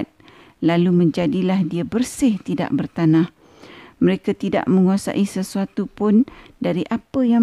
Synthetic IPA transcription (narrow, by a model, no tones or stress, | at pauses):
t̪̚ | lalumə̃ɲd͡ʒadilahdiabərsɪht̪ida̰ʔ̚bərt̪anãh | məɾekat̪ida̰ʔmə̃ŋuasa̰ʔisəsuat̪upʊndaɾiʔapəja